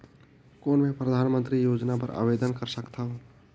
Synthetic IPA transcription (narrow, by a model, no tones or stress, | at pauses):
koːnmẽpɾəd̪ʱaːnmə̃nt̪ɾijoːd͡ʒnapɐɾa̰ːʋeːd̪ənkəɾsəkt̪aɦo